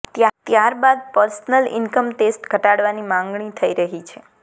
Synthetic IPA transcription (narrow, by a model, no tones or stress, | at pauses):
t̪t̪jaɾbad̪̚pəɾsnəlɪ̰nkəmʈesʈɡʱəʈaɽʋanimãŋɡɳit̪ʰəiɾəɦit͡ʃʰe